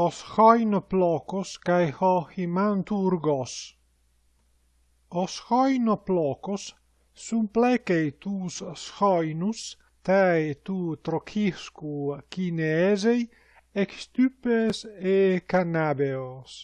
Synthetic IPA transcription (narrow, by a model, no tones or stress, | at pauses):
osxɔjnoplɔːkoskajhɔhimant̪uːɾɡɔs | osxɔjnoplɔːkosː | umplɛkejt̪uːssxɔjnus | t̪ajt̪uːt̪ɾokʰiskukineɛzej | ekst̪ypesekanabeos